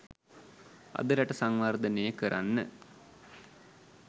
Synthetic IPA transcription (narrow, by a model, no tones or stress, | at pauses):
a̰d̪əɾaʈəsaŋʋaɾd̪ənejəkəɾʔa̰nːə̰